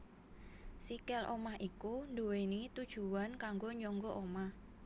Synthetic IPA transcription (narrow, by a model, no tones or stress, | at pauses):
sikɛlʔo̰mahʔikundowenit̪ud̥ʒ̥uankaŋɡoɲɔŋɡɔʔomah